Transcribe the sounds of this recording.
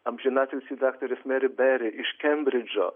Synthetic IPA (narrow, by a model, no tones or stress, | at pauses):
ɐmʒʲɪnat̪ʲɪlʲsʲɪd̪akt̪ɔɾʲɪsmɛɾʲɪbɛɾʲɪʔɪʃkʲɛmbɾʲɪd͡ʒɔ̰